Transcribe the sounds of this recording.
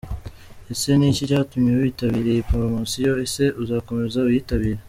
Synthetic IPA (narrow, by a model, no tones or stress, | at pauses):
e̞se̞nicicaːtumɲeuβitaβiɾe̞ipoɾomasijo̞e̞se̞ʔuzaːko̞me̞zauβiːtaβiɾe